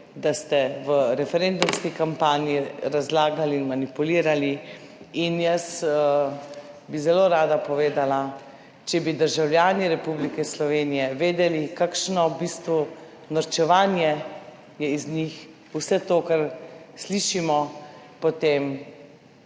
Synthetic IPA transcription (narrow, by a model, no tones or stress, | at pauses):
d̪ast̪ɛʋəɾɛfɛɾend̪umskikampaːniiɾazlaːɡaliːnmanipuliːɾaliinjəsə | bizɛloːɾaːd̪apɔʋeːd̪ala | t͡ʃɛbid̪əɾʒawljaːniɾɛpublikɛslɔʋeːnijɛʋeːd̪ɛlikakʃnɔbist̪ʋu | naɾt͡ʃɛʋaːnjɛ | jɛiznix | usɛt̪oːkaɾsliːʃimɔ | pɔt̪eːm